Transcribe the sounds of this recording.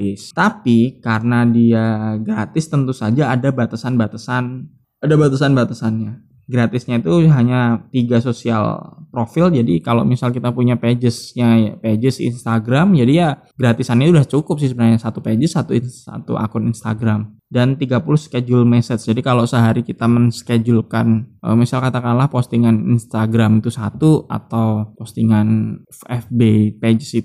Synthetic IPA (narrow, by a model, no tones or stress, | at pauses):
ɪst̪apikaɾənadiaɡɾat̪ɪst̪ənt̪usad͡ʒaːdabat̪asanbat̪asan | adabat̪asanbat̪asanɲa | ɡɾat̪ɪsɲait̪uɦaɲat̪iɡasosia̰lpɾofɪld͡ʒadikalomisalkit̪apuɲaped͡ʒəsɲa̰ped͡ʒəsḭnst̪aɡɾamd͡ʒadija | ɡɾat̪isanɲait̪udaht͡ʃukʊp̚sɪhs̬əbənarɲasat̪uped͡ʒəsːat̪uinsa̰t̪ṵʔa̰kʊninst̪a̰ɡɾam | dant̪iɡapulʊhsə̥ked͡ʒulmɛsɛt̪sd͡ʒadikalosəɦaɾikit̪amənsked͡ʒulkanʔə̰misalkat̪akalahpost̪iŋaninst̪aɡɾamit̪usat̪ua̰t̪awpost̪iŋan | fɛfbeped͡ʒəsi